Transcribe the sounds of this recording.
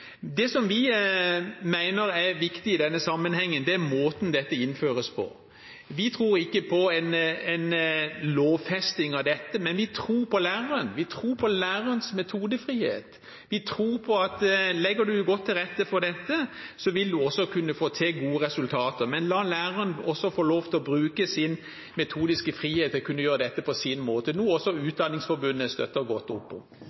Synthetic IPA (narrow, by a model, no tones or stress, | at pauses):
d̪ɛsɔmʋɪ | mæɪnəɾæɾʋɪkt̪ɪɪd̪ɛnːəsɑmːənhɛŋːənd̪ɛæɾmoːt̪nd̪ɛt̪ːəɪnːføːɾəspʰɔ̰ | ʋɪt̪ʰɾuːɾɪkːəpʰɔɛɪnɛɪnloːʋfɛst̪ɪŋɑʋd̪ɛt̪ːəmɛnʋɪt̪ʰɾuːɾpʰɔlæːʁəɾənʋɪt̪ʰɾuːɾpʰɔlæːɾəənsmɛt̪ʰuːd̪əfɾiːhḛːt̪ | ʋɪt̪ʰɾuːɾpʰɔɑt̪lɛɡːəd̪ʉɡɔt̪ʰːɪlʁɛt̪ːəfɔɾd̪ɛt̪ːəsɔʋɪld̪ʉɔsːɔkʰʉnːəfoːt̪ʰeːɡuːəʁɛsʉlt̪ʰɑːt̪əɾmɛnlɑːlæːɾəənɔsːɔfoːloːft̪ʰɪlɔbɾʉːkəsɪn | mɛt̪ʰuːd̪ɪskəfɾiːheːt̪ɔkʰʉnːəjøːɾəd̪ɛt̪ːəpʰɔsɪnmoːt̪ənuːɔsːɔʉːt̪̚d̪ɑnːɪŋsfɔɾbʉnːəst̪œ̰t̪ːəɡɔt̪ːʊpːɔ̰m